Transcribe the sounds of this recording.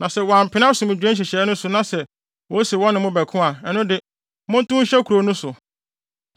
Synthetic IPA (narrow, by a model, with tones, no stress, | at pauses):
nã˨sɛ˦wɔ˨a˨m̩˨pʰɪ̃˨˦nã˦sʊ̃˨mɪ̃˨d͡ʑᶣɛ̃˦ɕ̬i˨ɕɛː˨˦nʊ̃˦sʊ˨nã˦sɛ˨ | wɔ˨˦si˨wɔ̃˦nːɪ̃˨mʊ̃˦bæ˨kʰʊ̃˦a˨ɛ˨nʊ̃˦dɪ˨ | mʊ̃˦n̩˦tʊ̃˦ɕɛ˦kʰu˨ɾo˨˦nʊ̃˦sʊ˨